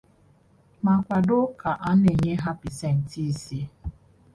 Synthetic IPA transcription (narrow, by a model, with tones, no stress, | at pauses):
ma˨kʷa˨dʊ˦ka˨ʔa˦n˦e˨ɲe˦ɦa˦pi˨se˦˨n̩˨ti˦si˦